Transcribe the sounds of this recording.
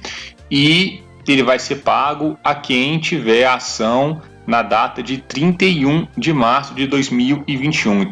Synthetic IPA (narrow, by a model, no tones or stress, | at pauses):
ɪ | elɪvajseɾpaɡʊɐkẽj̃t͡ʃivɛɾasɐ̃w̃ | nɐd̪at̪ɐd͡ʒɪt̪ɾĩnt̪ejũd͡ʒɪmaɾsʊd͡ʒɪd̪ojzmiwɪvĩt͡ʃiũ